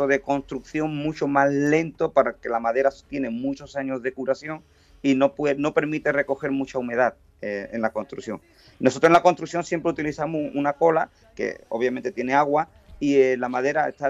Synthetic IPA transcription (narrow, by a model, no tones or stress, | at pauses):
oðe̞ko̞nst̪ɾuk̚θjo̞ŋmut͡ʃomazle̞nt̪o̞paɾake̞lamaðe̞ɾat̪je̞ne̞mut͡ʃo̞saɲo̞zðe̞kuɾaθjo̞ŋ | inopweno̞pe̞ɾmit̪e̞re̞ko̞xe̞ɾmut͡ʃaume̞ð̞að | eenlakonst̪ɾṵθjo̞̰ŋ | no̞sot̪ɾoelako̞nst̪ɾukθjo̞ŋsje̞mpɾeut̪iliθamuunako̞la | kḛoβjament̪et̪je̞ne̞aɣwa | ielamaðe̞ɾaet̪a